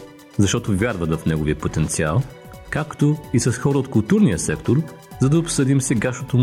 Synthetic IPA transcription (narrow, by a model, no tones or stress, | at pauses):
zɐʃt̪ɔt̪ovʲjaɾvɐt̪vɐfnɛɡoviəpot̪ɛnt̪sia̰lˠ | kakt̪oisɐsxɔɾəot̪kʊlˠt̪uɾniəsɛkt̪oɾ | zɐd̪ɐopsɤd̪imsɛɡaʃnot̪om